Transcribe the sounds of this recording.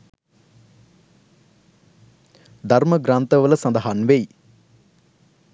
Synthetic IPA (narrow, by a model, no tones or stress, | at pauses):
d̪ʱɐɾmɐɡɾaːnt̪ɐʋɐlɐsɐnd̪ɐɦaːnʋej